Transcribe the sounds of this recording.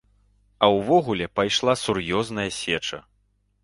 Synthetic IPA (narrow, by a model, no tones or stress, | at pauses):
ɐwvɔɣulʲɛpajʂlˠasurjɔznɐjɐsʲɛt͡ʂɐ̰